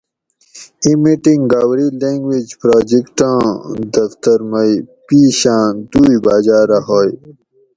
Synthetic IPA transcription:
imiʈĩŋɡɡaːwɾilẽːŋɡwid͡ʑpɾaːd͡ʑikʈãːd̪ɐft̪əɾmɐjpiːɕãːd̪uːibaːd͡ʑaːɾɐɦoːj

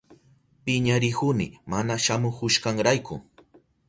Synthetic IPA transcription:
pɪɲaɾɪhʊnɪ̰manaʃamʊhʊʃkaŋɾajkʊ̰

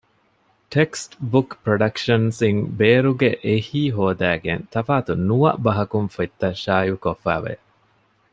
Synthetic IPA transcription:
ʈeksʈbukpɾoɖɐkʃɐnsiŋbeːɾuɡeʔehiːɦoːd̪æːɡent̪ɐfaːt̪unuʋɐ̰ʔbɐɦɐkunfet̪ːɐʃaːjukofːæ̰ːʋḛ

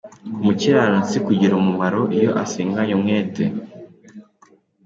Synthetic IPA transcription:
muciɾanasikuɟiɾomumaɾo̞ʔijo̞ʔasiːŋɡaɲomŋeːte

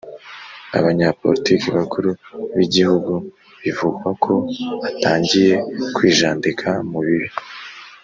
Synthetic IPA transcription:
a̰βaɲapo̞̰ɾitikiβakʰuɾuβiɟihuɡu | βivuɡwakʰo̞βataːɲɟije̞kwiːʒaːndikʰamuβiɾi

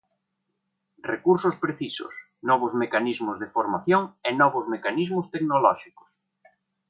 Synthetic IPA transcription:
rekuɾsʊspɾeθisʊ̰s | nɔβ̞ʊzmekanizmʊzðefoɾmaθjoŋenɔβʊzmekanizmʊst̪eknolɔʃikʊ̥s

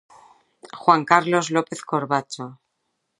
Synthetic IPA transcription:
xwaŋkaɾlo̞zlo̞pe̞θkoɾβat͡ʃo

